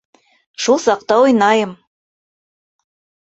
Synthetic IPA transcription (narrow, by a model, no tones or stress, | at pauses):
ʃulˠsɑq̚t̪ɑojnɑjɤ̆m